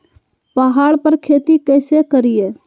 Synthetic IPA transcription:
paɦaːɭpəɾkʰeːt̪ikɛːsekəɾijeː

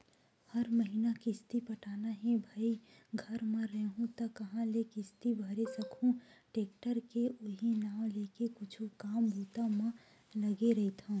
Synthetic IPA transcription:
həɾməɦinakɪst̪ipəʈaːnaɦɛ̃bʱaːiɡʱəɾmẽɾəɦũt̪ɔkɐɦãlekɪst̪ibʱəɾesəkʰũʈeːk̚ʈəɾkeʔoɦinaːw̃lekekʊt͡ʃʰukaːmbʱut̪amẽ | ləɡeɾəɦit̪ʰɦɔ̃

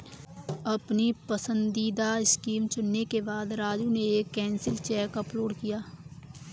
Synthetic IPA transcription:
ɐpnipəsə̃nd̪iːd̪aɪskiːmt͡ʃʊnːekebaːd̪ɾaːd͡ʒuneeːkːɛ̃ːnsɪlt͡ʃɛːkəploːɖkijaː

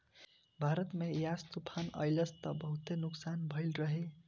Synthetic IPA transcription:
bʱaɾʌt̪mejast̪upʰanʌ̰jlʌst̪ʌbʌɦut̪enuksanbʱʌjlrʌɦe

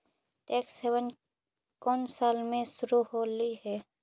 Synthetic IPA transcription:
teːkseːʋən | kɔːnsaːlmẽsʊɾuɦoːliɦɛː

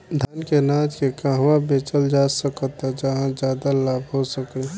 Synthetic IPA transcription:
d̪ʱankenaːt͡ʃkekãɦʋabeːt͡ʃəld͡ʒaːsəkət̪ɛd͡ʒəɦãd͡ʒjaːd̪alaːbʱɦosəki

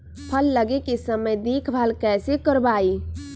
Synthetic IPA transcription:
pʰəlːəɡekisəməjd̪ikʰbʱalkɛsekəɾbai

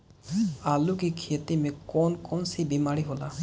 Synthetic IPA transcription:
alukikʰetimekɔnkɔnsibimaɹiɦola

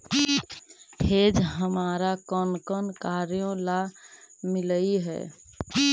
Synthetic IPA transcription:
hed͡ʒɦəmaɾakɔnkənkaɾjõlamiləiɦɛ̰

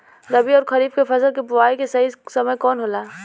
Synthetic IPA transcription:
d̪ɐbiɔːɾkʰɐɾiːbkefʰɐsəlkebʊaːikesɐɦisɐməjkɔːnɦoːlaː

